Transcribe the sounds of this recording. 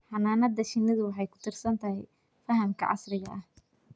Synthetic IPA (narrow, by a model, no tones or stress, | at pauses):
ħɑnaːnɐd̪ɐʃɪnːɪðʊwɑħɑjkʰʊ̥t̪ʰɪrsɐnt̪ʰɐɦɛj | fɐɦɐmkʰɐ̰ʕɑ̰srɪɣɐʔɐh